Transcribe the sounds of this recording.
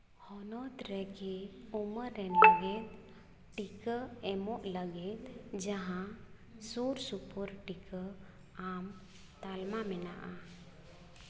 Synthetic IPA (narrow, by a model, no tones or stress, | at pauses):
hɔnɔt̪ɾɛkeuməɾɛnləɡet̪ | ʈikəɛmɔʔləɡet̪d͡ʒəɦã | suɾsupuɾʈikə | am | t̪almamɛna̰ʔa